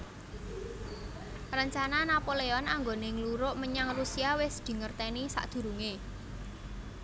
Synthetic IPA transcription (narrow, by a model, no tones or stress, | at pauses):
rəɲt͡ʃananapoleɔnaŋɡoneŋluɾʊʔməɲaŋrusiawɪsd̪̥i̤ŋərt̪ɛnisa̰ʔd̪̥ṳɾuŋe